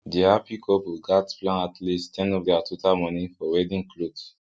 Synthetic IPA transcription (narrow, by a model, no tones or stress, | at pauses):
diapʰikʰɔpiɡatplãnatlistʰɛ̃nɔfdɛatʰotalmɔ̃nifɔwɛdĩŋklods